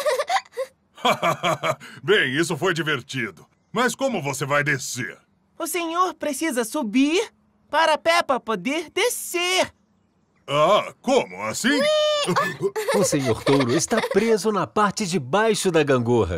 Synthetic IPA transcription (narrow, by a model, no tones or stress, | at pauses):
a | bẽj̃isʊfojd͡ʒiveɾt͡ʃid̪ʊ | mɐskõmʊvosevajd̪esḛɾ | ʊsẽɲoɾpɾesizɐsubiɾ | paɾɐpɛpɐpod̪eɾd̪eseɾ | akõmʊ̰asĩ | ʊsẽɲoɾt̪owɾʊɪst̪atpɾezʊnɐpaɾt͡ʃɪd͡ʒɪbajʃʊd̪ɐɡɐ̃ŋɡoɦɐ̰